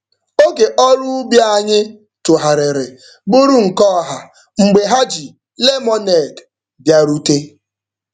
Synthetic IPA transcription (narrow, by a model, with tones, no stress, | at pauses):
o˦ke˨ʔɔ˦ɾʊ˦bja˦a˦˨ɲɪ˦ | tʊ˨ɦa˨ɾɪ˨ɾɪ˨ | bʊ˦ɾu˦ŋ̩˨kɔ˦˨ɦa˨ | ŋ͡m̩˨ɡ͡be˨ɦa˦d͡ʒi˨ | le˦mɔ˦ne˨d | bja˦ɾu˦te˦